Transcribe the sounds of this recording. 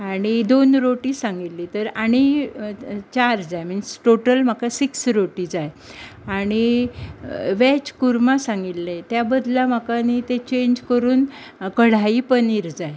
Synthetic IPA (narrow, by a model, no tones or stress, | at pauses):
aɽ̃id̪onɾoʈiːsãŋɡitllːit̪əɾaɽ̃i | t͡ɕaɾd͡zajm̤ənsʈoʈəlm̤akasiksɾoʈid͡zaj | aɽ̃i | ʋɛt͡ɕkuɾmasãŋɡilːet̪jabəd̪ʱlam̤əkanit̪et͡ɕeɲd͡ʑkəɾuːn | kəɽ̤aipəniɾd͡zaj